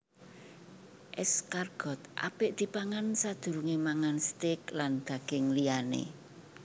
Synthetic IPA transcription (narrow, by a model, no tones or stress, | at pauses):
ʔɛskarɡ̥ɔ̤t̪̚ʔa̰pɪʔd̪̥i̤paŋansad̪̥ṳɾuŋemaŋanst̪ɪkland̪̥ä̤ɡ̥ɪŋlijanḛ